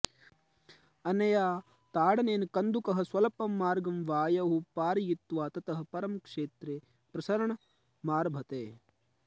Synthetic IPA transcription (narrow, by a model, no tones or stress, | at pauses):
ɐnɐjaː | t̪aːɽɐneːnkɐnd̪ukɐɦɐ̆swɐlɐpɐmːaːɾɡɐmʋaːjɐɦupaːɾjit̪ʋaːt̪ɐt̪ɐɦɐ̆pɐɾɐmkʂeːt̪ɾeː | pɾɐsɐɾɐɳɐ | maːɾbʱɐt̪eː